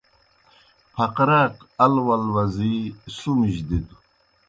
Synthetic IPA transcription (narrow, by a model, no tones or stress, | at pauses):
pʰɐqɾaqɐlwɐlwɐzisumiʑd̪id̪u